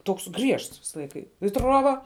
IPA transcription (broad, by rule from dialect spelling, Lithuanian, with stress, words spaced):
ˈtoːks ˈɡrʲiɛʃts ˈʋʲɪsɐ ˈlˠɐɪkɐ ɪ ˈtruɔbɐ